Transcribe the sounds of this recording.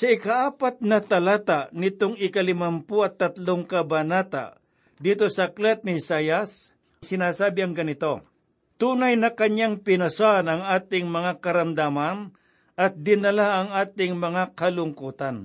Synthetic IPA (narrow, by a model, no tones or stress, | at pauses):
sɐɪkaʔaːpat̪̚nɐt̪ɐlaːt̪anɪt̪oŋɪkɐlɪmampʊɐt̪ːɐt̪loŋkɐbɐnaːt̪a̰ | d̪iːt̪osɐklɛt̪̚nɪsajas | sɪnaːsaːbɪɐŋɡɐnɪt̪o̞ | t̪uːnajnɐkɐɲaŋpɪnɐsanɐŋaːt̪ɪŋmɐŋakɐɾɐmd̪aman | ʔɐt̪̚d̪ɪnɐlaʔɐŋaːt̪ɪŋmɐŋakɐlʊŋkuːt̪an